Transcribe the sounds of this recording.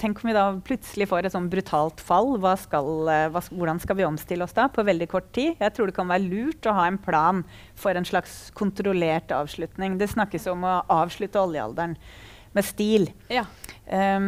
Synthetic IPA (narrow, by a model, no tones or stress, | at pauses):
t̪ʰɛŋkɔmʋɪd̪ɑpʰlʉt̪səlɪfoːɾɛt̪sɔnːbɾʉt̪ʰɑːlt̪fɑlːʋɑːskɑlʋɑːʋʊɖɑnskɑlʋɪɔmst̪ɪlːəɔsd̪ɑpʰɔʋɛld̪ɪkʰɔʈːt̪iːjæɪt̪ʰɾuːɖɛkʰɑnʋæːɾəlʉːʈɔɦɑːɛnpʰlɑːn | fɔɾɛnʂɭɑkskʰʊnt̪ɾʊleːʈɑ̰ːʋʂɭʉt̪nɪŋd̪ɛsnɑkːəsjɔmɔʔɑːʋʂɭʉt̪əɔljəɑ̰ld̪æɳ | mɛst̪iːl